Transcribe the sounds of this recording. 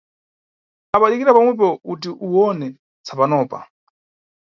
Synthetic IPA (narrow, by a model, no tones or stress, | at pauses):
apaɗikiɾapamwɛp̬ɔutiʔuwɔnɛ | t͡sʰapanɔːpa̰